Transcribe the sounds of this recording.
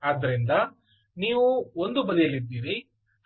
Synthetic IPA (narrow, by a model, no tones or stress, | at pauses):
aːd̪ːɐɾind̪ɐ | niːʋuond̪ubɐd̪ijɐlid̪ːiːʋi